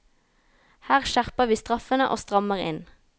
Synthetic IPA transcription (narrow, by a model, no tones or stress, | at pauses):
hæːʁʃæʁpəʁʋiːst̪ʁɑfənəʔo̰ːst̪ʁɑməʁɪ̰n